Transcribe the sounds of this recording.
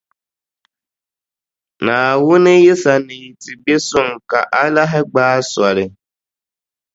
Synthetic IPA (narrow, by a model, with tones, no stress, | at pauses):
na˨wʊ˦nɪ˦jɪ˦sa˨ni˨ti˨be˦sʊ˦ŋka˨ʔa˦la˦ɦɪ˦ɡ͡baː˦sa˨ɾɪ˨